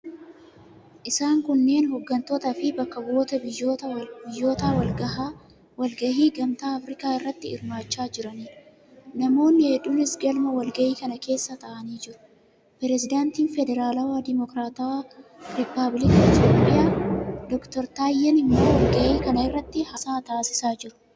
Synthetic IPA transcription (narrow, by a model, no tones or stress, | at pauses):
ʔɪsaːŋkʊnːe̞ːnɦɔɡːɐnt̪oːt̪ɐfɪbɐkːɐbo̞ːt̪ɐbɪjːoːt̪ɐbɪjːo̞ːt̪aːwɐlɡɐɦaː | wɐlɡɐʔiːɡɐmt̪aːɐfɾɪkaːɪrːɐt̪ːɪɪ̰ɾmaːt͡ʃːaːd͡ʒɪɾɐniː | nɐmo̞ːnːɪhɛᶑʊnɪsɡɐlmɐwɐlɡɐʔiːkɐnɐke̞ːsːɐt̪ɐʔɐniːd͡ʒɪɾʊ̥ | pɛɾɛzɪd̪aːnt̪iːnfɛd̪ɛɾaːlɐwad̪ɪmɔkɾaːt̪ɐwaɾɪpːɐblɪkɐɪt̪joːpʼːɪjaːd̪ɔkt̪ɔɾt̪aːjːɛnɪmːo̞ːwɐlɡɐʔiːkɐnɐɪrːɐt̪ːɪhɐsaːt̪aːsɪ̥saːd͡ʒɪɾʊ̥